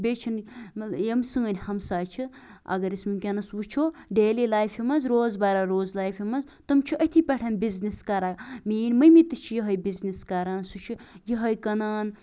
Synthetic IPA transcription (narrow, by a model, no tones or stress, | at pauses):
bʲet͡ʃʰinjɐmsɨŋɐnʲhɐmsaːt͡ʃʰi | ɐ̰ɡɐɾismikʲɐnɐswut͡ʃʰoːɖeːlilaːjfjimɐnzɾoːzbaɾaɾoːzlaːjfʰimɐz | t̪ɨmt͡ʃʰiʔɐt̪ʰipʲɐʈʰɐnbizniskɐɾaːmiːnʲmɐjmit̪ɨt͡ʃʰijiɦɐjbizniskɐɾaːnsut͡ʃʰijiɦɐjkɐnaːn